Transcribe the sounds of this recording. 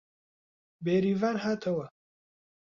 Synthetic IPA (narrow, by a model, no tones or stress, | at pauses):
beːɾiːvaːɾɦaːt̪ʰɐwɐ